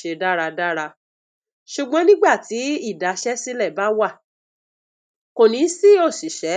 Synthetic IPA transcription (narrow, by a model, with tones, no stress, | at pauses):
ʃe˧da˦ɾa˧da˦ɾa˧ | ʃu˨ɡ͡bɔ̃˨˦nĩ˦ɡ͡ba˦˨ti˨˦i˦˨da˨˦ʃɛ˦si˦lɛ˦˨ba˦wa˦˨ | ko˨nĩ˨˧˦si˦o˦˨si˨ʃɛ˨˦